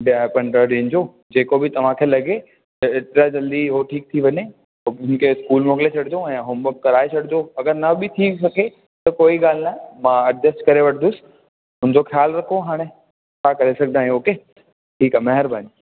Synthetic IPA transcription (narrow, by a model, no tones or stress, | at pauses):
ɖaːpɐ̃ɳɖəɗẽnd͡ʑo | d͡ʑeːkobɪt̪ɐʋ̤ãkʰeːlɐɡe | t̪ɐɪʈɾad͡ʑɐld̪iɦoʈʰiːk̚t̪ʰiʋɐɲe | ɦoʊn̆kʰeɪskuːlmoːk̬ɪlet͡ɕʰɐɽd̪õɛ̃ːɦʊmbək̚kɐɾaːet͡ɕʰɐɽɪd̪oɐɡəɾnɐbɪt̪ʰiːsɐkʰe | t̪ɐkoːiɠaːlnaːẽmãːɐɖd̪əsʈkɐɾeʋɐʈʰnd̪ʊsɪ̥ | ɦʊnɪd͡ʑoxjaːlɾɐkʰoɦaːɽ̃ẽ | t͡ɕʰakɐɾesɐɡ̚ʱd̪aːɦĩoːke | ʈʰiːkaːmɐɦəɾbaːni